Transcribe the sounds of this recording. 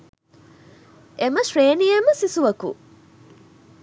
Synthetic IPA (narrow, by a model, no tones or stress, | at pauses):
ʔeməʃɾeːnijeməsisuʋɐkṵ